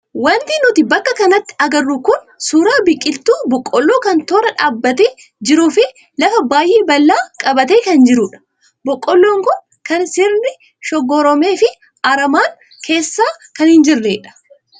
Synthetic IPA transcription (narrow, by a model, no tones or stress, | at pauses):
wɐnt̪ɪnʊt̪ɪbɐkːɐkɐnɐt̪ːɪ̥ɐɡɐrːukʊn | suːɾaːbɪkʼːɪlt̪uːbɔkʼːɔlːoːkɐnt̪oːɾɐᶑaːbːɐt̪eː | d͡ʒɪɾuːfɪ | lɐfɐbaːjʔeːbɐlːaːkʼɐbɐt̪eːkɐnd͡ʒɪɾʊᶑɐ̥ | bɔkʼːɔlːoːŋkʊn | kɐnsɪɾnɪ | ʃɔɡɔɾɔme̞ːfɪ | ɐɾɐmaːŋ | kʰe̞ːsːaːkɐnhɪnd͡ʒɪrːḛːᶑɐ̥